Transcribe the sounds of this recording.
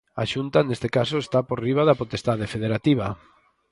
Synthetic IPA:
a̰ʃunt̪anest̪ekasoest̪apoɾriβaðapot̪est̪aðefeðeɾat̪iβ̞a

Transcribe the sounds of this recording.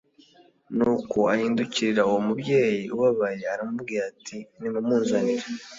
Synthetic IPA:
nuːko̞ahiːnduciɾiɾauwomubɟe̞ːjiuβaβaje̞aɾamub̚ɡiɾaːtʰinimumuːnzaniɾe

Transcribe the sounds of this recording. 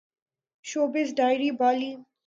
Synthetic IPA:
ʃoːbɪsɖaɪɾibɔːli

